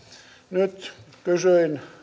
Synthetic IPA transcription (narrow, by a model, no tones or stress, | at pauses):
nyt̪ | kysyin